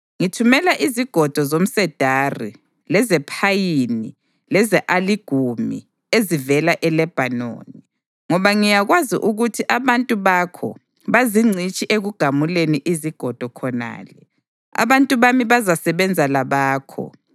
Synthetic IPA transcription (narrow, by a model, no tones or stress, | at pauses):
ŋitʰumɛlaʔiziɡ̥ʱɔd̥ʱɔzom̩sɛd̥ʱari | lɛzɛpʰajini | lɛzɛʔaliɡ̥ʱumḭ | ezivɛlaʔɛlɛb̥ʱano̰ːni | ŋɔβaŋijaɣwazḭʔuɣutʰiʔaβantʼuβakʰɔ̰ | βaziŋ͡ǀʱit͡ʃʼiʔeɣuɡ̥ʱamuleniʔiziɡ̥ʱɔd̥ʱɔkʰɔna̰ːlɛ | a̰βantʼuβamiβazasɛβɛnd͡zʱalaβaːkʰɔ̰